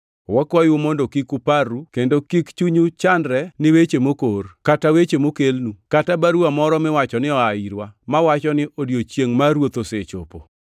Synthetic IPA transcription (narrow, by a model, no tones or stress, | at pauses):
wɔkwajʊmondokikuparukendokikt͡ʃuɲut͡ʃandɾɛnɪwet͡ʃemokorkatawet͡ʃemokelnukatabaɾuamɔɾɔmɪwat͡ʃɔnɪɔaiɾwamawat͡ʃɔnɪʔodjot͡ʃjeŋmaɾwot̪oset͡ʃopo